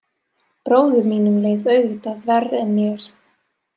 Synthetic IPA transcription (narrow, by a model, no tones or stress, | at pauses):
pɾoːwðʏɾmiːnʏmleːjvœɥɣvɪt̪aθvɛrɛnmjɛɾ̥